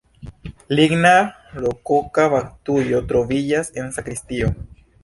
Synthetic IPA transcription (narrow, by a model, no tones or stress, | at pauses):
liɡna | lokokafaktujo̞tɾo̞vid͡ʒase̞nsakɾistio̞